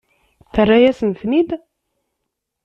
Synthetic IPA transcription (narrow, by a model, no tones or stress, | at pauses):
θərˤːajæsənθnid̪